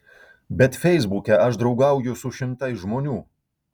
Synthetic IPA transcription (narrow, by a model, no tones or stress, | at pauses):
bʲɛt̪fʲɛɪzbukʲɛɐʃd̪ɾɒʊɡɐˑʊjʊsʊʃʲɪmt̪ɐɪsʒmoːnʲuː